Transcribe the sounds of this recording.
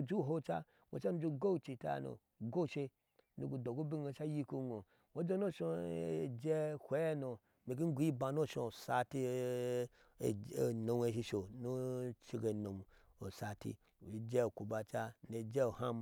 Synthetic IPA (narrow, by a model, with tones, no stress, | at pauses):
d͡ʒu˦˨ɦo˦t͡ʃa˦ | ŋʷo̰˨t͡ʃa˦nu˦d͡ʒo˦ɡo˦˨t͡ʃi˧ta̰˨no̰˨ | ɡo˦˨ʃe˧ | nu˨ɡu˨do˨ɡo˦bi˦no˨ʃa˦ji˦ku˦nʷo˨ | ŋʷo˦d͡ʒo˦no˦˨ʃo˧˨d͡ʒe˦hʷe˦e˦no˨ | mi˨k̬i˦n̩˦ɡʷu˨˦i˦ba˨no˦ʃo̰˨sa˧ti˦˨ | e˨no˨m˦e˨ʃi˧ʃo˨no˦t͡ʃi˧ɡe˨no˨m˨ | o˨sa˨tḭ˦˨ | i˨d͡ʒe˦˨ku˨ba˨t͡ʃa˦no˨d͡ʒe˦o˨ha˦m